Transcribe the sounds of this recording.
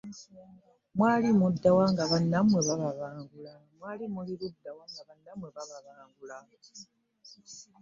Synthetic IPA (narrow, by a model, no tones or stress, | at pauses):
mwaːlimudːawaŋɡaβanːamwe̞βaβaβaːŋɡula | mwaːlimuliɾudːawaŋɡaβanːamwe̞βaβaβaːŋɡula